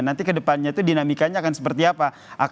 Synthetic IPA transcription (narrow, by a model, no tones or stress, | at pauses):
nant̪ikədəpanɲat̪udinamikaɲaːkansə̥pərt̪iapa | ʔak